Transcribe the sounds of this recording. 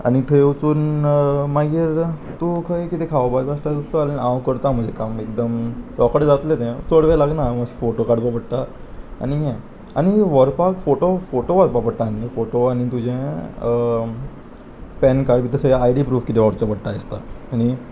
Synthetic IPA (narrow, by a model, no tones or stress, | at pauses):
a̰ñit̪ʰəut͡suːnmaɡiːɾt̪ukʰəjkit̪ekʰaʋbabast̪at̪ut͡saalənãwkəɾt̪am̤əɳd͡zʱekamekd̪əmɾɔkəɽd͡zat̪let̪ɛ̃t͡soɽʋelaɡnaməɕfoʈokaɽpapəɽt̪a | a̰ñiɦɛ̃ | a̰ɽ̃iʋəɾpakfoʈofoʈoʋəɾpapəɽʈ̪ãnːefoʈoaɽ̃it̪ud͡ʑʱẽ | pɛnkaɽbit̪əseajɽipɾuːfkit̪eʋaɽt͡ɕapəɽt̪aest̪aañi